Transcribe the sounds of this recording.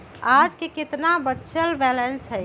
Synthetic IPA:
ad͡ʒkekɪt̪nabətːʃʰəlbɛlensɦəj

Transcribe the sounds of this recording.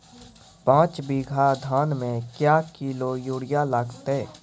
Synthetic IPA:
pãːt͡ʃbiɡʱad̪ʱaːnmẽkjaːkilojuːɽijaləɡt̪e

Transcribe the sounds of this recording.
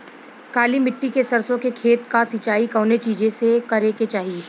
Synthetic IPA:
kaːlimɪʈːikesɐɾsõkekʰeːt̪kasɪt͡ʃaːikɐːnet͡ʃiːd͡ʒesekɐɾeket͡ʃaːɦieː

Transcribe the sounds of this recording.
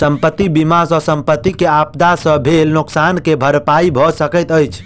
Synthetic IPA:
səmpət̪ːibimasə̃səmpət̪ːikeapd̪asə̃bʱelnuksankebʱəɾpaibʱɔsəkəjt̪əjt͡ʃʰ

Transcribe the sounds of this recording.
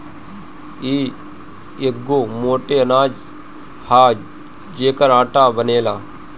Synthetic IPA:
iː | eɡoːmoːʈeənaːd͡ʒ | haː | d͡ʒeːkəɾãːʈaːbəneːlaː

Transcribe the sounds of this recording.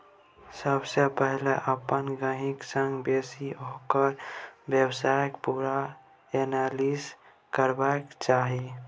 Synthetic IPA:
səbsepəɦleʔəpənɡəɦɪksə̃ŋɡbeːsiɦokəɾwjəwsaːjəkpuːɾa | enalis | kəɾbakt͡ʃaːɦi

